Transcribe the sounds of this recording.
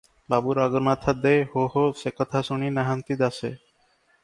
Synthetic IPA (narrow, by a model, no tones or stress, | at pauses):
babuɾaɡoɾmat̪ʰad̪ehoɦosekɔt̪ʰasuɳinaɦant̪id̪asḛ